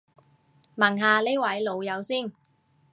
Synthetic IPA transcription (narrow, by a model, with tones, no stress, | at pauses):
mɐ˨˩ŋɦaː˨˧le˥wɐ˨˥jlo˨˧wjɐ˨˧wsiː˥˩n